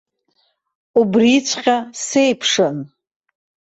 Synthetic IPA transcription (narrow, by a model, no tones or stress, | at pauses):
ubrit͡ɕʷʰqʲʼase̞jpʰʂɨn